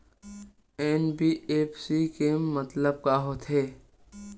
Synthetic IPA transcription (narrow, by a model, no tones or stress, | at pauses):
ɛːnbiːeːpsikeːmːət̪ləb̚kaːɦot̪ʰɦeː